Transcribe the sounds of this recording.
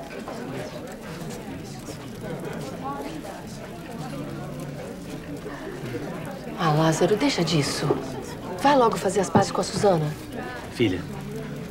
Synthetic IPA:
alazaɾʊd̪ejʃɐd͡ʒisʊ | vajlɔɡʊfazeɾɐspazɪskõɐsuzɐ̃nɐ | filɐ

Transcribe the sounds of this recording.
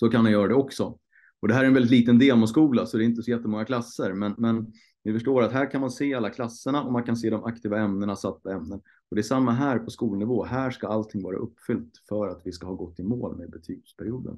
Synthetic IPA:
sɔkanmanjœːɾad̪ɛɔksɔ | ɔd̪ɛæːɾɛnɛlɪt̪liːt̪ənd̪eːmɔskuːlasɔd̪ɛɪnt̪əsɔjɛt̪ːəmɔŋːakʰlasːəɾmɛnmɛn | vɪfœʂʈoːɾat̪ɦæːɾkʰanmanseːalːakʰlasːəɳaɔmankans̬eːd̪ɔmʔak̚t̪ʰiːvaɛmnəɳasat̪ːpɔɛmnən | ɔd̪ɛæsamːaɦæːɾpʰɔskuːlnɪvoːɦæːʂkaalt̪ʰɪŋːvɑːɾa̰ʔɵpːfʏlt̪fœɾat̪vɪskahɑːɡɔt̪ːɪmo̰ːlmeːd̪̚bɛt̪ʰyːɡspʰæɾɪuːd̪ə̰n

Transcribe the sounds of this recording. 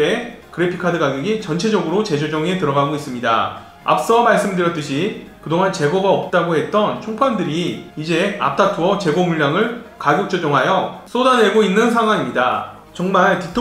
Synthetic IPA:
e | kɯɾepʰikʰadɯɡaɡjeɡit͡ɕʌnt͡ɕʰe̞d͡ʑʌɡɯɾot͡ɕe̞d͡ʑod͡ʑʌŋe̞tɯɾʌɡaɡois͈ɯmɲida̰ | a̰p̚s͈ʌmaɭs͈ɯmndɯɾjʌt͈ɯɕʰikɯdoŋɦant͡ɕe̞ɡoɡaʌp̚t͈aɡohe̞t̚t͈ʌnt͡ɕʰoŋpʰandɯɾiːd͡ʑe̞a̰p̚t͈ʰatʰuwʌt͡ɕe̞ɡomuɭːaŋɯɭkaɡjok̚t͡ɕ͈od͡ʑʌŋɦajʌs͈odanwe̞ɡoinːɯnsʰaŋɦwaɲimɲida | t͡ɕʌŋmaɭtitʰo

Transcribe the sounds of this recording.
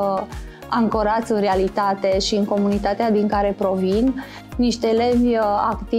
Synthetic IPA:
aŋkoɾat̪sʲɨnre̞alit̪at̪e̞ʃiɨŋko̞munit̪at̪ead̪iŋkaɾe̞pɾo̞vinː | iʃt̪ele̞vʲa̰kt̪i

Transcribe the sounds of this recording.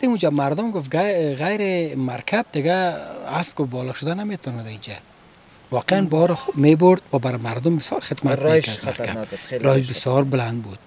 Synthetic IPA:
at̪eud͡ʒamaɾd̪ʊmɡʊft̪ɡaɣajɾɪmaɾkʰab̚d̪ɪɡaaskʊbɔlɔʃʊd̪anamet̪ʰɔnad̪aid͡ʒa̰ | wɔqeanbɔɾmebʊɾd̪wabaɾɪmaɾd̪ʊmbɪsjɔɾxɪt̪mat̪kaaɾkʰa̰bɾɔɪʃbɪsjɔɾbʊland̪̚bud̪̥̚

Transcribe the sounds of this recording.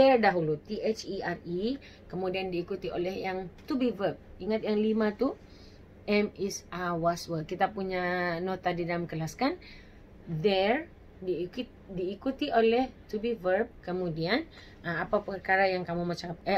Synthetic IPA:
dɛrdaɦulut̪iʔet͡ʃiari | kəmudiandiːkut̪iʔo̰lɛɦjaŋt̪ubivərb̚iŋat̪̚jaŋlimãt̪u | ʔɛmɛsawaswəkit̪apuɲanot̪adidalamkəlaskan | dɛr | dik | diːkut̪iʔolɛht̪ubivərb̚kəmũdian | aapapərkaɾajaŋkamumat͡ʃa

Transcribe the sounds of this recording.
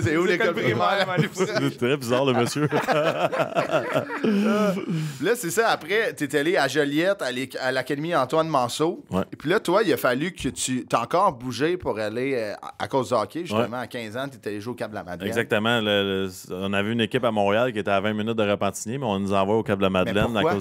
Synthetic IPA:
seulekɔlpʁimaaset̪ʁɛbizɑːʁləməsjø | pilʌsesʌapʁɛt̪ɛt̪ɛaleaʒəljɛt̪alekalakad̪emiɑ̃t̪wanmɑ̃ːsowɛpilʌt̪wailəfalykʲʰət̪yt̪ɑ̃ːkɑːʁbuʒepuʁalea̰kozd̪əɑːkʲʰeʒyst̪əmãakʲɛ̃ːzãt̪yɛt̪ɛaleʒuwoːkʲab̚d̪əla̰ma̰d̪lɛɡɛzak̚t̪əmãlələɔ̃navɛynekʲɪpamɔ̃ːʁealkʲiet̪ɛavɛ̃minʏt̪̚d̪əʁapɑ̃t͡sinimɛɔ̃nuzɑ̃vwaokap̚d̪əlamad̪mɛlɛnakwao

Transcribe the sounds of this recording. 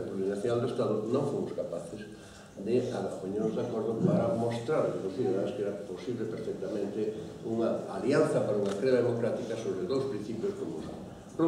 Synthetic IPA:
tpɾuɾinaθjonald̪oest̪aðʊnõŋfomʊ̥skapaθɪs | d̪ɪaðpoɲeɾozðakoɾðʊpaɾɐmost̪ɾaɾkepoθiðeaβeskɛɾɐposiβlepeɾfɛk̚t̪amẽnt̪ɪuŋɐaljanθɐpaɾauŋɐkɾeðaðemokɾat̪ikɐsoβɾeðowspɾĩn̟θipjoskomʊsa | o

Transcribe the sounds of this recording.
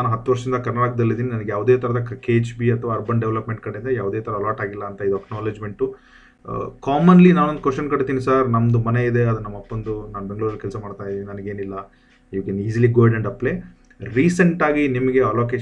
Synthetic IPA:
naːnuɦɐt̪ːuʋɐɾʂɐɾind̪ɐkɐɾnɐɾaːkɐd̪ɐlːid̪iːninɐnɐɡejaːʋd̪eːt̪ʰɐɾɐd̪ɐkkeːt͡ʃbiɐt̪ʰɐʋaːɐɾbɐɳɖeʋlɐpme̞ɳʈ̚kɐɽeind̪ɐjaːʋd̪eːt̪ʰɐɾɐɐlaːʈaːɡilːɐːnt̪ɐid̪uɐknaːled͡ʒme̞ɳʈu | kaːmɐnlinaːnond̪ukʋeʂʈjɐnkɐɽt̪iːnisɐɾnɐmɐd̪umɐne̞id̪e̞ɐd̪unɐmːɐpːɐnd̪unaːnbe̞ŋɡɭuːɾɐlkɛlsɐmaːɽt̪aːjid̪iːinɐnɐɡe̞ːnilːɐ | iʋɐkeniːziliɡoːjɖɐɳɖɐpleː | ɾiːsɐɳʈaːɡinimɐɡe̞ɐloːkeː

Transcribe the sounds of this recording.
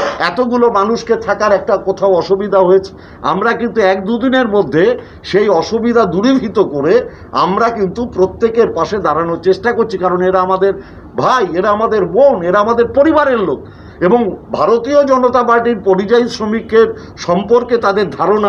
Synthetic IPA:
ɛt̪oɡulomanuʃket̪ʰakaɾɛk̚ʈakot̪ʰaoɔʃubid̪ʱaɦojet͡ɕʰe̥ | a̰mɾakint̪uɛk̚d̪ud̪ineɾmod̪ʱːe | ʃejɔʃubid̪ʱad̪uɾibʱit̪okoɾe | a̰mɾakint̪upɾot̪ːekeɾpaʃed̪aɾanoɾt͡ɕeʃʈakoɾt͡ɕʰikaɾoneʈaamad̪eɾ | bʱajeʈaamad̪eɾbowneɾaamad̪eɾpoɾibaɾeɾlok̚ | eboŋbʱaɾot̪iod͡ʑɔnot̪apaɾʈiɾpoɾid͡ʑajsɾomikːeɾ | ʃɔmpoɾket̪ad̪eɾd̪ʱaɾona

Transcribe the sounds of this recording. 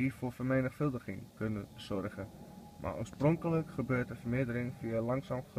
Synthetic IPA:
ifʊːɹfərmeːnəxfɵlˠdəχɪŋkønəz̥ɔrɣə | mʔa̰ːʔo̰ːsproŋkələkχəbøːɹtəfərmɪədəɾɪŋfiəlɑŋsamχ

